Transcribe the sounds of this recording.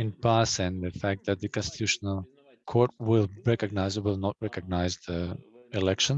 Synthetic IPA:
ɪ̃npasɛ̃nðəfæk̚t̚ðæt̪̚ðəkɔ̃nst̪ɪ̥t̪uʃənəlˠ | kʰɔɹt̚wɪlˠɹɛkəɡ̚naɪzəwɪlˠnɔt̚ɹɛkəɡ̚naɪzðəɪlɛkʃə̃n

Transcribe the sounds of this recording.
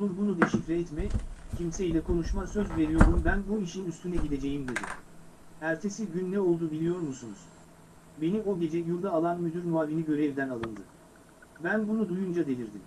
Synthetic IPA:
lˠuɾbunud̪eʃicɾɛɛt̪mɛcʰimse̞ilʲɛkʰo̞nuʃmasøzve̞ɾijo̞ɾd̪umbænbuiʃininyst̪ʰynɛɟid̪e̞d͡ʒe̞jimd̪e̞d̪ḭ | æɾt̪ʰe̞siɟynːɛo̞lˠd̪uːbilʲijo̞ɾmusunuz̥ | be̞nio̞ɟe̞d͡ʒɛjuɾd̪aːlˠanmyd̪yɾmuaːviniɟø̞ɾe̞vd̪ænalˠɯnd̪ɯ̰ | bænbunud̪ujund͡ʒad̪e̞lʲiɾd̪im

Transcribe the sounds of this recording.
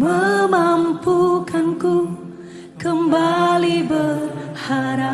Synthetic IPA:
məmampukanku | kəmbalibərhaɾa

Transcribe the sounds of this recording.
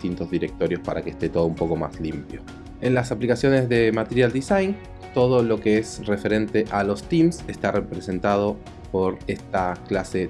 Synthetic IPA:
t̪int̪o̞zðiɾe̞k̚t̪o̞ɾjo̞spaɾakest̪et̪o̞ð̞oumpo̞ko̞ma̰slimpjo̞ | enlasaplikasjo̞ne̞zðe̞mat̪eɾjald̪isajn | t̪o̞ð̞o̞lo̞keesre̞fe̞ɾe̞nt̪e̞ʔalo̞st̪imsest̪arʔepɾese̞nt̪að̞o̞ | po̞ɾe̞st̪aklase̞

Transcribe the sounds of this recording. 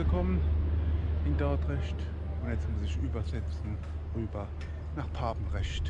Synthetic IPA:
əkʰɔmən | ɪndaɐtʁɛʃt | ʊntjɛt͡smʊsɪʃyːbɐzɛt͡sn̩ | ʁyːbɐ | naːχpʰaːbn̩ʁɛʃt

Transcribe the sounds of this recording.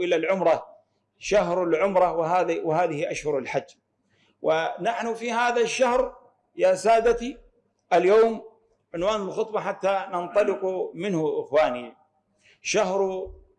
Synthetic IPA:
ʔɪlalʕʊmɾˤɑ | ʃaɦɾˤalʕʊmɾˤɑwɪɦaːðwɪɦaːðɪhiʔaʃhʊɾˤalħad͡ʒː | wɪnaħnʊfihaːðaʃːahɾ | jasaːd̪at̪i | ʔaljoːm | ʕɪnwaːnlxʊt̪ˤbɑħat̪ːanɑnt̪ˤɑlɪqumɪnhʊʔɪxwaːni | ʃahɾˤ

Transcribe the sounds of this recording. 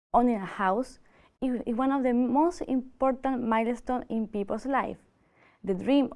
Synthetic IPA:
õnĩnahaws | wãnɔvðəmost̪ḭ̃mpɔɾt̪ãnmajlest̪õnĩnpipəlslajf | ðəd̪ɹĩm

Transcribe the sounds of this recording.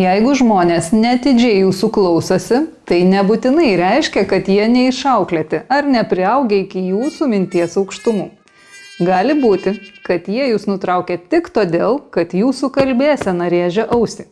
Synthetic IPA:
jɛɪɡʊʒmoːnʲeːsnʲɛɐt̪ʲɪd͡ʒʲɛɪjuːsʊklˠɔʊsoːsʲɪt̪ɐɪnʲɛbʊt̪ʲɪnɐɪɾʲɛɪʃʲkʲɛkɐt̪jiɛnʲɛɪʃɐʊklʲeːt̪ʲɪɐɾnʲɛpʲɾʲɪɐʊɡʲɛːɪkʲɪjuːsuːmʲɪnʲt̪ʲiɛsɐʊkʃt̪ʊmuː | ɡɑːlʲɪbuːt̪ʲɪkɐt̪jiɛjuːsnʊt̪ɾɐʊkʲɛt̪ʲɪkt̪oːd̪ʲeːlˠkɐt̪juːsuːkɐlʲbʲeːsʲɛnɐɾʲeːʒʲɛʔɐʊsʲɪ

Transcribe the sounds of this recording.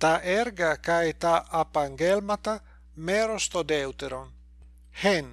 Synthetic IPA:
t̪aɛɾɡakajt̪aʔapaŋɡelmat̪a | meɾost̪od̪ɛwt̪eɾon | hɛn

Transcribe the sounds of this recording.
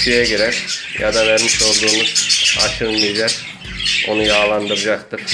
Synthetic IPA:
ʃʰijɛɟiɾɛfja̰d̪avæɾmiʃo̞lˠd̪uːnua̰ʃɯnmild͡ʒak | o̞̰nujaːlˠand̪ɯɾɯd͡ʒakt̪ʰɯɾ̥

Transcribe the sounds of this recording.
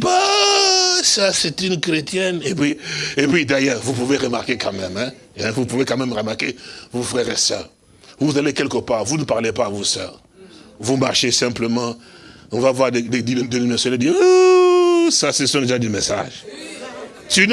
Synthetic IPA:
ba | sasɛt̪ynkʁet̪jɛnepɥiepɥid̪ɛjɛːʁvupuveʁəmaʁkekɑ̃mɛmɛ̃ | ɛ̃vupuvekɑ̃mɛmʁəmaʁkevufʁɛʁesɛ̰ːʁ | vuuzalekɛlkəpaʁvunəpaʁlepaːvusœ̰ːʁ | vumaʁʃesɛ̃pləmɑ̃ɔ̃vavwaʁd̪ed̪ed̪d̪enimɛsɔled̪i | sasɛsɔ̃d̪eʒad̪emɛsa̰ʒ | t̪y

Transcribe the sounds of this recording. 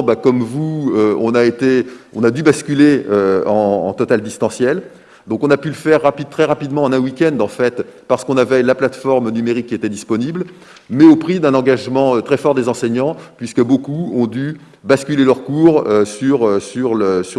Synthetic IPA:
bakɔmvuøɔ̰̃naet̪eɔ̃nad̪ybaskʲyleøɑ̰̃ːt̪ɔt̪ald̪ist̪ɑ̃sjɛl | d̪ɔ̃kɔ̃napyləfɛʁːapit̪χɛʁapid̪mɑ̃ːnɛ̃wikʲɛ̃nd̪ɑ̃fɛt̪paʁsə̥kɔ̃navɛlaplat̪fɔʁmnymeʁikʲːiet̪ɛd̪ispɔnibl | mɛopχid̪ɛ̃nɑ̃ɡaʒmɑ̃øt̪χɛfɔʁd̪ezɑ̃sɛɲɑ̃pɥiskəbokuɔ̃d̪y | baskʲylelœʁkuʁøsyʁøsyʁløs

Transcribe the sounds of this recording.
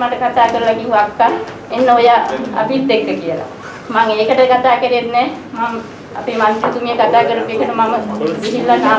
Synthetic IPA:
maʈəkat̪aːkəɾulakiɦuakːa | enːəojaa̰bit̪ːekːəkijəla̰ | maŋeːkəʈəkat̪aːkəɾeet̪nɛːmam | a̰pimant̪et̪uŋjəkat̪aːkəɾupekəʈəmaməʋiɦilːanaː

